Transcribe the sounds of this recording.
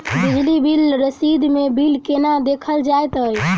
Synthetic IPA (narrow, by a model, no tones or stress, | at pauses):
bid͡ʒlibilɾəsid̪mebilkenad̪ekʰəld͡ʒajt̪əj